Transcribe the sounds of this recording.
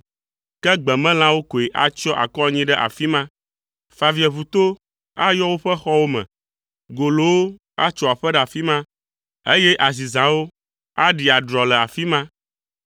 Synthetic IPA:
kɛ˦ɡ͡bɛ˨mɛ̃˦l̃ã˦wo˦ko˨e˨ʔa˨t͡ʃɔ˦ʔa̰˨kɔ˦˨ɲĩ˦ɖɛ˦ʔa̰˨fi˦mã˦ | fa˨vi˨ɛ˨βu˨t̪o˦ | a˦jɔ˦wo˦ɸɛ˦xɔ˦wo˦mɛ̰̃˨ | ɡo˨lo˨wo˦ | a˦t͡ʃɔ˨a˨ɸɛ˦ɖa˨fi˦mã˦ | e˦jɛ˦ʔa˨zi˨zã˨wo˦ | a˦ɖi˨a˨ɖɾɔ˨lɛ˨a˨fi˦mã˦

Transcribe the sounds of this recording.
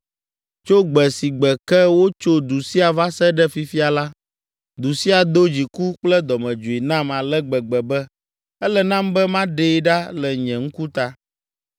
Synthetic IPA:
t͡ʃo˦ɡ͡bɛ˨si˨ɡ͡bɛ˨kɛ˦wo˦t͡ʃo˦d̪u˨si˦a˨va˦sɛ˦ɖɛ˦fi˦fi˦a˨la˦ | d̪u˨si˦a˨d̪o˦d͡ʑi˨ku˦k͡plɛ˦d̪ɔ˨mɛ̃˨d͡ʒu˨i˨nã˦ma˨lɛ˦ɡ͡bɛ˨ɡ͡bɛ˨bɛ˦ | ɛ˦lɛ˨nã˦mbɛ˦mã˦ɖe˦ɖa˦lɛ˨ɲɛ̃˨ŋ̩˦ku˦t̪a˦

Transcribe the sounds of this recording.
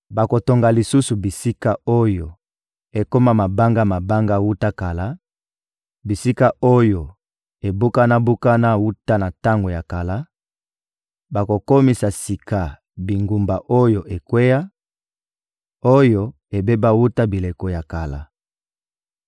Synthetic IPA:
ba˨ko˨to˨ŋɡa˨li˨su˦su˨bi˨si˦ka˦o˦jo˨ | e˨ko˦ma˦ma˨ba˦ŋɡa˦ma˨ba˦ŋɡa˦wu˦ta˦ka˨la˦ | bi˨si˦ka˦ʔo˦jo˨ | e˨bu˦ka˦na˦bu˦ka˦na˦wu˦ta˦na˨ta˦ŋɡo˨ja˨ka˨la˦ | ba˨ko˨ko˦mi˨sa˨si˨ka˨ | bi˨ŋɡu˨mba˨ʔo˦jo˨ʔe˨kwe˦ja˦ | o˦jo˨ | e˨be˦ba˦wu˦ta˦bi˨le˨ko˨ja˨ka˨la˨

